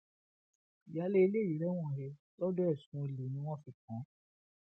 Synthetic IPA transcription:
i˨ja˨˦le˦i˧le˦˨i˨˦ɾɛ˨˦w̃ɔ̃˦˨ɦe˧˦ | lɔ˦dɔ˦ɛ˦˨sũ˨˦˧li˨nĩ˦w̃ɔ̃˦fi˧˨kã˨˦

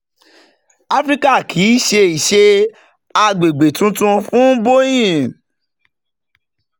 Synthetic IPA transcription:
a˦fɾi˦ka˦˨kʰi˨˦ʃe˧i˨ʃe˧ | a˧ɡ͡be˨ɡ͡be˨tũ˨˦tũ˧fũ˦bo˦j̃ĩ˦˨

